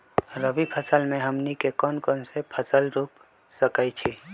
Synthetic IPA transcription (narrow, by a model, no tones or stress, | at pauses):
ɾəbipʰəsəlmẽɦəmnikekɔːnkɔnsepʰəsəlɾuːp | səkait͡ʃʰi